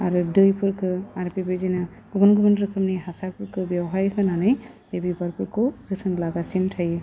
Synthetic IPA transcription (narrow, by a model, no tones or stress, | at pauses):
aɾudɯjpʰɯɾkʰɯaɾpibezina | ɡ̥ubɔnɡubɔnɾɯkʰɯmniɦasaɾpʰɯɾkʰɯbjawɦajkʰɯnanɯj | ebibaɾpʰɯɾkozɯsɯnlaɡasintʰajɯ